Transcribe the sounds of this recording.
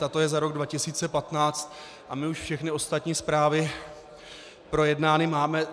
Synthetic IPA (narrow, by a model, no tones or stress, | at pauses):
t̪at̪o̞jɛzaɾo̞ɡdvacɪsiːt͡sɛpat̪naːt͡st̪̚ | ʔamɪuʃfʃɛxnɪo̞st̪at̪ɲiːspɾaːvɪ | pɾo̞jɛdnaːnɪmaːmɛ